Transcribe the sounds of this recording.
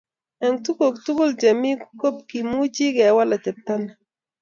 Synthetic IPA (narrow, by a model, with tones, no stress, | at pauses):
ɛ˨ŋtu˦ko˨ktu˦ku˦ld͡ʒa˨mi˦ku˦ko˦p̚ki˨mu˦t͡ʃi˦ɡɛ˨wa˦la˨tɛ˨pta˦na˨